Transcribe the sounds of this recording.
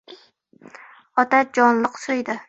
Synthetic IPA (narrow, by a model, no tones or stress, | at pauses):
ɒt̪ad͡ʒɒnlˠɨqsojd̪ɪ